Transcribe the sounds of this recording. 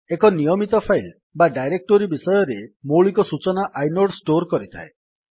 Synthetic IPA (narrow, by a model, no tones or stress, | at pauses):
ekɔnijɔmit̪ɔpʰajl | baɖajɾek̚ʈoɾibisɔjɔɾemoɭikɔsut͡ʃɔnaʔajnoɖsʈoɾkɔɾit̪ʰa̰e